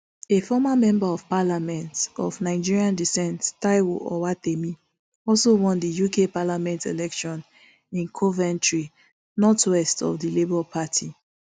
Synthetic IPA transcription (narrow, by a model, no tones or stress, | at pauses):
efɔmamɛ̃mbaɔv̥palamɛ̃ntɔvnaɪd͡ʒiɹiãndisɛ̃nttaɪwo̰ɔ̰watemi | ɔlsowɔ̃ndijukepalamɛ̃ntelɛkʃɔ̃n | ĩnkʰɔvɛ̃ntɹi | nɔtʰwɛstɔ̰vdilibɔlpʰatʰi